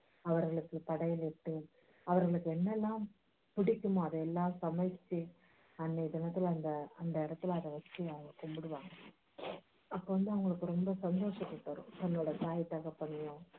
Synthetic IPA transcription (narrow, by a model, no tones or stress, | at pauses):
ɐʋɐɾɣɐɭɯkːɯt̪ɐɽɐjɪlɛʈːɯ | ɐʋɐɾɣɐɭɯkːɯɛnːɛlːãː | pɪɽɪkʲːɯmõɐðɐɛlːaːsɐmɐɪt͡ʃːi | ɐnːɐɪðɛnɐt̪ːɪlɐnd̪ɐɐnd̪ɐɪɾɐt̪ːɯlɐðɐʋɐt͡ʃːiɐɐɐkːʊmbɯɽɯʋaːŋɡɐ | ɐpːoːʋɐnd̪ɯɐʋɐŋɡɐɭɯkːɯɾɔmbɐsɐnd̪oːʂɐk̪ːʊʈːɐɾʊ̰̃t̪ɐnːoːɽɐsaːjt̪ːɐɣɐpːɐɳːɪjʊ̃